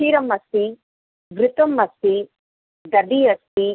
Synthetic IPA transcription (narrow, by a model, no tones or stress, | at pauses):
ʃiːɾɐmɐst̪i | ʋɾɪt̪ɐmːɐst̪i | d̪ɐdijɐst̪i